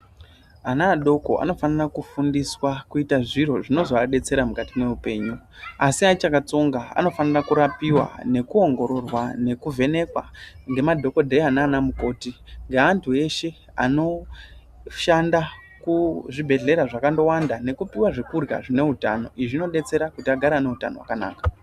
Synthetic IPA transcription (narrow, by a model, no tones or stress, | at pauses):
anaːɗo̞ko̞ʔa̰no̞fanirakufundiswakuitaʐiɾo̞ʐino̞zoaɗe̞t͡se̞ɾamukatime̞upe̞ːɲuasiat͡ʃakat͡so̞ŋɡaa̰no̞fanirakuɾapiwa̰ne̞kuo̞ŋɡo̞ɾo̞rwane̞kuve̞ne̞kwa̰ŋɡe̞madʱo̞ko̞dʱe̞anaːnamuko̞ːtiŋɡaːntʰue̞ʃe̞ | a̰no̞ | ʃanda | kuʐibʱe̞ɮe̞ɾaʐakando̞wandane̞kupiwaʐekurɡa̰ʐine̞uta̰no̞ʔiʐino̞ɗe̞t͡se̞ɾakutiaɡʱaɾane̞uta̰nowa̰kana̰ːkḁ